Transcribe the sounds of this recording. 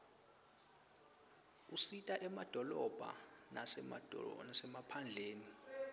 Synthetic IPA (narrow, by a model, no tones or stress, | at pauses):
usitʼaʔɛmad̥ʱɔlɔb̥ʱa̰na | nasɛmapʰand͡ɮʱeːni